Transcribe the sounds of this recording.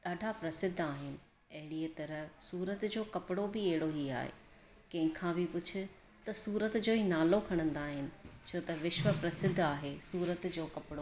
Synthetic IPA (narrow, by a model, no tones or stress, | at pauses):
ɗaːɖʱapɾɐsɪd̪ʱːaːɦɪnɪ̆ | ɐɦɪɽiet̪ɐɾə̆suːɾət̪d͡ʑoːkɐpɪɽobɪɐɦɪɽoɦia̰ːɦḛː | kɐ̃ɦɪ̃kʰãbɪpʊt͡ɕʰʊ̆ | t̪ɐsuːɾət̪d͡ʑoːɦinaːlokʰɐɽ̃ə̃nd̪aːɦɪnɪ̆t͡ɕʰoːt̪ɐʋɪʃʋəpɾɐsɪd̪ʱːaːɦesuːɾət̪d͡ʑoːkɐpɪɽo